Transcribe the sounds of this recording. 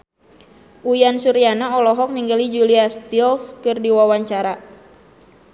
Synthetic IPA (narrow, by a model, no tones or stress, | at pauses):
ʔujansuɾianaɔlɔɦɔk̚niŋɡalid͡ʒuliast̪ilskɨrdiwawaɲt͡ʃaɾa